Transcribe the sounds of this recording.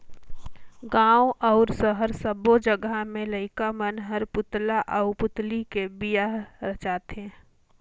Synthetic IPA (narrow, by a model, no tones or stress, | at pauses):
ɡãːoʔɔʊɾsəɦəɾsəbod͡ʒəɡamẽləɪkamənɦəɾpʊt̪laʔəʊpʊt̪likebijaɾət͡ʃaːt̪eɦɛ̃